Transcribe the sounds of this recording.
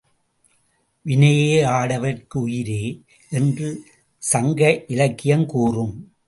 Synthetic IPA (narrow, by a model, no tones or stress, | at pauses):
ʋɪnɐjeːaːɽɐʋɐrkɯʊjɪɾeː | ʔɛndrɯ | sɐŋɡɐʔɪlɐkːɪjɐmkuːrɯm